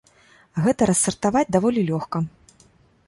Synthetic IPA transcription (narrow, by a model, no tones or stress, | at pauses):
ɣɛt̪ɐɾɐsːɐrt̪avad͡zʲd̪avɔlʲilʲɔxkɐ